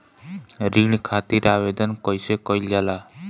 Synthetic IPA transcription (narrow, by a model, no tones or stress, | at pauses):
ɾiɳkʰat̪iɾaʋed̪ənkɔjsekɔjlala